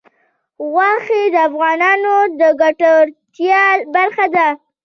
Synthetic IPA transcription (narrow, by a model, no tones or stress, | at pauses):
ɣwɑxed̪əafɣɑnɑnod̪əɡaʈaɾt̪jɑbaɾxad̪a